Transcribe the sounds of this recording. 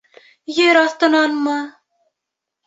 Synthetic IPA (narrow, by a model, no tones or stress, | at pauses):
jeɾɒθt̪ɤ̆nɑnmɤ